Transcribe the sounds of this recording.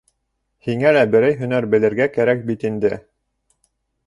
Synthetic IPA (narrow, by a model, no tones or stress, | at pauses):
hiŋælæbɘ̆ɾæjɦɵ̆næɾbɘ̆lɘ̆ɾɡækæɾæk̚bit̪ind̪ɘ